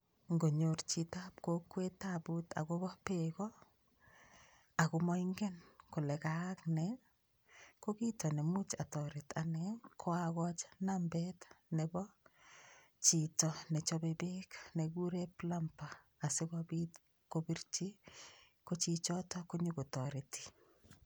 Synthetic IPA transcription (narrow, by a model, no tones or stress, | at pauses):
ŋɡoɲort͡ʃitap̚kokwetabuta̰ɡobɔpekɔ | akumɔiŋɡɛnkʊlɛkaknɛ | kokitɔnemut͡ʃa̰tɔɾɪtʰanɛkʰoaɣɔt͡ʃnambɛtnɛbɔ | t͡ʃitɔnɛt͡ʃɔbebekneɡuɾeplampaː | sɪɡɔbit | kobiɾt͡ʃi | kot͡ʃit͡ʃɔtɔkuɲukutɔɾɪti̥